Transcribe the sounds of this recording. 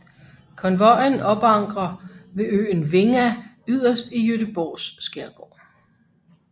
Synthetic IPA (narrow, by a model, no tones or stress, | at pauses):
kʰɒ̽nʋɒjənɒ̽b̥ɑ̈ŋ̰ɡ̥ʁɐʋe̝ø̰ːnʋe̝ŋæ | yð̞̰ˠɐsd̥ijød̥əb̥ɒ̰ːsːɡ̥eɐɡ̥ɒ̰ː